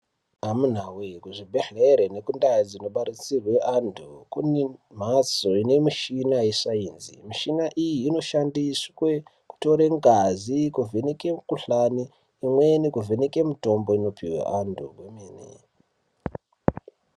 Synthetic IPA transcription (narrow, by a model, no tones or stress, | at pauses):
amun̤awekuʐibʱeɬeɾene̞kundajad͡zino̞ɓaɾit͡sirweʔandʱokunim̤asoine̞miʃinajesaiːnzḭmiʃinaʔijiːno̞ʃandiswe̞ku̥to̞ɾeŋɡazikuvʱeneke̞mukuɬaniː | mwe̞nekuvʱeneke̞muto̞mbo̞ino̞piwḛʔandoɡwemeːnḛ